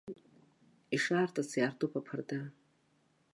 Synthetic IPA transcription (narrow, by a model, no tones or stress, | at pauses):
iʂaːrtʰʼasjartʰʼopʰapʰarda